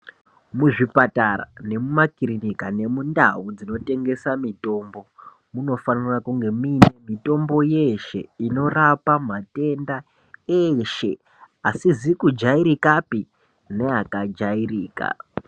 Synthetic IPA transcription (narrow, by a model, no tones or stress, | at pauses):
muʐipataɾa̰ne̞mumakirinikane̞munda̰ɦud͡zino̞te̞ŋɡe̞samito̞ːmbo̞ | muno̞fanirakuŋɡe̞miːne̞mito̞mbo̞je̞ʃe̞̰ino̞rapamate̞nda | eʃe̞̰ | asizikud͡ʒaiɾikapi | ne̞akad͡ʒairiːka̰